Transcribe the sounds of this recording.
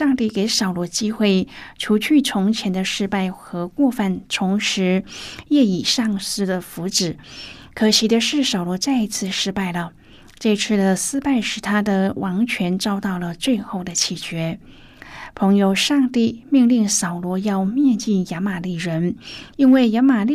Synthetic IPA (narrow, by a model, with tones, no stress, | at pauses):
ʂɑ˥˧ŋt̪i˥˩ke˧˥ɪsɑ˨˩ʊlwɔ˧˥t͡ɕi˥xwe˥˩ɪt͡ɕʰju˧˥t͡ɕʰy˥˩t͡sʰʊ˧˥ŋt͡ɕʰjɛ˧˥nd̪ə˧ʂɻ̩˥˧pa˥˩ɪxɤ˧˥kwɔ˥˧fa˥˩nʈ͡ʂʰʊ˧˥ŋʂɻ̩˧˥jɛ˥˩i˨˩ʂɑ˥˩ŋsɹ̩˥d̪ə˨fu˧˥ʈ͡ʂɻ̩˨˩˦ | kʰɤ˨˩ɕʰi˨˩˥d̪ə˧ʂɻ̩˥˩sɑ˨˩ʊlwɔ˧˥t͡sa˥˩ɪi˧˥t͡sʰɹ̩˥˧ʂɻ̩˥˧pa˥˩ɪlə˩ | ʈ͡ʂɤ˥˧˥t͡sʰɹ̩˥˩d̪ə˩sɹ̩˥pa˥˩ɪʂɻ̩˨˩t̪ʰa˥d̪ə˨wʔɑ˧˥ŋt͡ɕʰɥɛ˧˥nʈ͡ʂɑ˥ʊt̪ɑ˥˩ʊlə˩t͡swe˥˧ɪxo˥˩ʊd̪ə˩t͡ɕʰi˨˩t͡ɕɥɛ˧˥ | pʰɤ˧˥ŋjo˧ʊʂɑ˥˧ŋt̪i˥˩mi˥˧ŋli˥˩ŋsɑ˨˩ʊlwɔ˧˥jɑ˥˧ʊmjɛ˥˧nt͡ɕi˥˩nja˧˥ma˨˩li˥˩ɻə˧˥ni˥nwe˥˩ɪja˧˥ma˨˩li˥˩